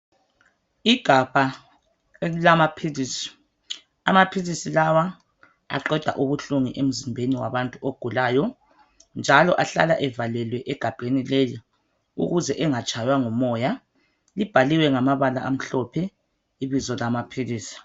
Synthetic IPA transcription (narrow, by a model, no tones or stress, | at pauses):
iɡ̥ʱab̥ʱa | lamapʰilisi̥ | a̰mapʰilisilawa | a̰ǃɛd̥ʱa̰ʔuβuɬuŋḭʔem̩zimbʱeniwa̰βantʼuoɡ̥ʱulaːjɔ | nd͡ʒʱalɔʔaɬa̰la̰ʔɛvalɛlwɛʔɛɡ̥ʱab̥ʱenileji | ṵɣuzɛʔɛŋat͡ʃʼajwaŋɔmɔːja | lib̥ʱaliwɛŋamaβalaʔam̩ɬɔpʰɛ | iβizɔlamapʰiliːsi̥